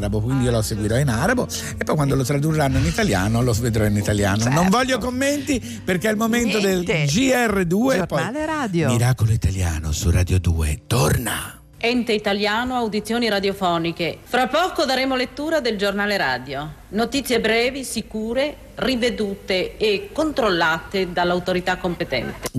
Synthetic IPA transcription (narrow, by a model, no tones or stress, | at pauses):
ɾabokwind̪iiolɔseɡwiɾɔinaɾabo | epːɔjkwand̪olot̪ɾad̪ureːanːoinit̪aljaːnoloved̪ɾɔinit̪aljaːnonoɱvɔʎːjokomːent̪i | perkealmomentt̪od̪eld͡ʒiɛrːed̪uːepɔjɾad̪miɾaːkoloit̪alja̰ːno̰surad̪jod̪ṵːḛt̪orna̰ | ɛnt̪eit̪aljaːnoawd̪it̪sːjoːniɾad̪jofɔːnikefɾapːɔːkod̪aɾeːmolet̪ːuːɾad̪eld͡ʒornaːleɾaːd̪jonot̪it̪sːjebɾɛːvisikuːɾe | rived̪uːt̪eːkːont̪ɾolːaːt̪ed̪alːawt̪oɾit̪akːompet̪ɛ̰nt̪e